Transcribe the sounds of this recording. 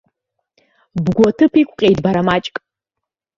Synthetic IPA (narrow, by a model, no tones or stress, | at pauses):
bɡʷɔtʰɨpʰikʷʼqʲʼejdbaɾamat͡ʃʼkʼ